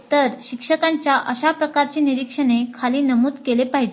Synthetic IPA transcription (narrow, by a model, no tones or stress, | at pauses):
t̪əɾɕikʂəkãɲt͡ɕjaʔəɕapɾəkaɾt͡ɕiːniɾikʂənekʰaliːnəmuːd̪kelepaɦid͡ʑe